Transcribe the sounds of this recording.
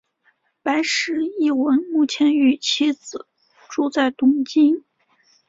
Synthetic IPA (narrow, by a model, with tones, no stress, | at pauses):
pa˧˥ɪʂɻ̩˧˥i˥˩wə˧˥nmu˥˩t͡ɕʰjɛ˧˥ny˧˩t͡ɕʰi˥d͡zɹ̩˨˩˦ | ʈ͡ʂu˥t͡sa˥˩ɪt̪ʊ˥˩ŋt͡ɕi˥n